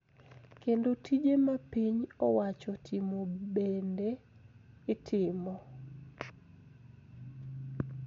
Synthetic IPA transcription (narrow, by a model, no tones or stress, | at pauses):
kendotʰid͡ʒemapiɲɔwat͡ʃɔtʰimobendeː | tʰɪmɔ